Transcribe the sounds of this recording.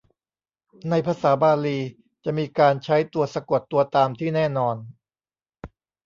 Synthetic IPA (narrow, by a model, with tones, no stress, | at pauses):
na˧jpʰaː˧saː˩˦baː˧liː˧ | t͡ɕa˨˩miː˧kaː˧nt͡ɕʰa˦˥jt̪u˧əsa˧ku˨˩t̪ːu˧ɐt̪aː˧mt̪ʰiː˥˩nɛː˥˩nɔː˧n